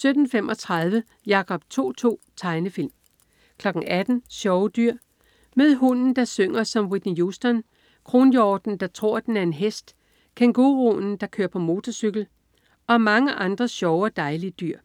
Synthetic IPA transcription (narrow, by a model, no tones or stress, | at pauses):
sød̥n̩femʔɒ̽t͡sʰʁɑðˠʋə | jɑ̈kʰɒ̽b̥̚t͡sʰo̝̰ːt͡sʰo̝̰ːt͡sʰɑ̈ɪnəfil̰m | kʰlɒ̽ɡ̥ŋ̩æd̥n̩ɕɒʊd̥yɐ̰ | með̞ˠɦunn̩d̥ɑ̈søŋ̰ɐsɒ̽mʁid̥nijusd̥ɐn | kʰʁo̝ːnjɒːd̥n̩d̥ɑ̈t͡sʰʁo̝ɐ̰d̥enæɐe̝nɦesd̥ | kʰenɡ̥oʁonn̩d̥ɑ̈kʰøɐpʰɒ̽mo̝ːt͡sʰɒsyɡ̥l̩ | ɒ̽mɑ̈ŋəʔɑ̈nd̥ʁɐɕɒʊɒd̥ɑ̈ɪliəd̥yɐ̰